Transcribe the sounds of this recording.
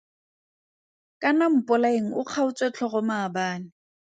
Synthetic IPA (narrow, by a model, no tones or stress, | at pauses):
kʼanam̩pʼʊlaeŋ̩ʊq͡χʰaʊt͡sʼwet͡ɬʰɔɣʊmaːbaːnɪ